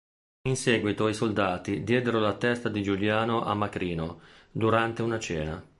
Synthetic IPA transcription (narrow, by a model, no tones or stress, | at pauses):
insɛːɡwit̪oisold̪aːt̪id̪jɛːd̪eɾolat̪ɛst̪ad̪id͡ʒuljaːnoʔa̰mːakɾiːnod̪uɾant̪eunat͡ʃɛːna̰